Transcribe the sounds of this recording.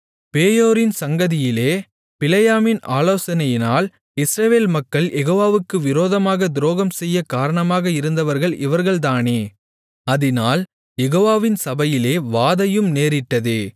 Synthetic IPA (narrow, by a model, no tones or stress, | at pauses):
peːjoːɾɪnsɐŋɡɐðɪjɪleː | pɪlɐjaːmɪna̰ːloːsɐnɐjɪnaːl | ɪsɾɐʋeːlmɐkːɐɭjɛɣoːʋaːʋɯkːɯʋɪɾoːðɐmaːɣɐd̪ɪɾoːɣɐmsɛjːɐkaːɾɐɳɐmaːɣɐɪɾɯnd̪ɐʋɐɾɣɐɭʔɪʋɐɾɣɐɭt̪̬aːneː | ɐðɪnaːl | jɛɣoːʋaːʋɪnsɐbɐjɪleːʋaːðɐjɯmneːɾɪʈːɐðɯ